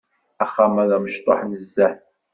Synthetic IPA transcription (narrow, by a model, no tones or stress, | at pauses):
æχːamæðæməʃt̪ˤo̰ħnəzːæħ